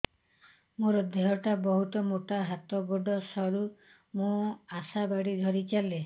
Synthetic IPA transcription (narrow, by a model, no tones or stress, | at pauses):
mũɾɔd̪ʱeɦɔʈabɔɦut̪ɔmoʈaɦat̪ɔboɖɔsɔɽu | mũasabaɽid̪ʱɔɾit͡ʃale